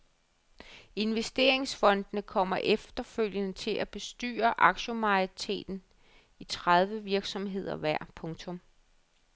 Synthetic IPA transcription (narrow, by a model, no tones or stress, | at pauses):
e̝nʋesd̥e̝̰ɐ̰e̝ŋsfɒ̽nd̥nəkʰɒ̽m̰ɐʔefd̥ɐføl̰jənət͡sʰe̝lʔæb̥e̝sd̥y̰ːɐʔɑ̈ɡ̥ɕəmɑ̈it͡sʰe̝̰ːd̥n̩ | it͡sʰʁað̞ˠʋəʋiɐɡ̥sɒ̽mɦe̝ð̞̰ˠɐʋæɐ̰pʰɔ̽ŋt͡sʰɔ̽m